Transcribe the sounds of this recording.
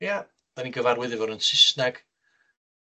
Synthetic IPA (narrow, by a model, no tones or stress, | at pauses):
ja | d̥aniɡəvaɾwɪðɪvɔɾənsɪsnaɡ̥